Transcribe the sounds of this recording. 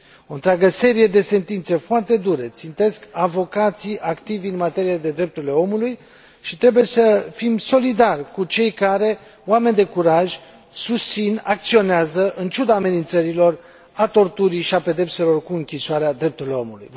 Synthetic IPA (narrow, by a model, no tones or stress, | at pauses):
o̞nt̪ɾʲeaɡəse̞ɾije̞d̪e̞se̞nt̪int̪se̞foart̪e̞d̪uɾe̞t̪sint̪e̞skavo̞kat̪sijʔakt̪ivʲɨnmat̪e̞ɾijed̪e̞d̪ɾe̞p̚t̪uɾile̞o̞muluj | ʃit̪ɾe̞buje̞səfimso̞lid̪arʲkut͡ʃe̞jkaɾe̞ | owame̞nʲd̪e̞kuɾaʒʲ | sust̪sinak̚t̪sio̞neazəʔɨnt͡ʃud̪aːme̞nint̪səɾilo̞r | at̪o̞rt̪uɾiʃiape̞d̪e̞pse̞lo̞rkuɨŋkʲisaɾead̪ɾe̞p̚t̪uɾile̞o̞mulṵj